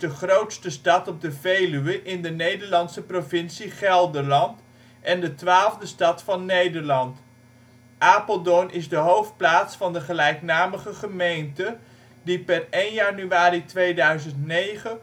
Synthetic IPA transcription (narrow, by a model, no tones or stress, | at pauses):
dəχrowtstəstɑtɔb̚dəvejlyʋəʔɪndənejdəɹlɑntsəprovɪnsiχɛlˠdəɹlɑnt | ʔɛndətʋaːlˠvdəstɑtfɑnːejdəɹlɑnt | ʔaːpəlˠdɔnʔɪzdəɦowft̚plaːtsfɑndəχəlɛjknaːməχəχəmejntə | dipɛrejnjanyʋaːritʋejdœɥzəntnejχə